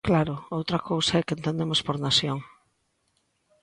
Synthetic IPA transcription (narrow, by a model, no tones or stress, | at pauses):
klaɾʊowt̪ɾɐkowsaɛkent̪ẽnd̪emospoɾnasjoŋ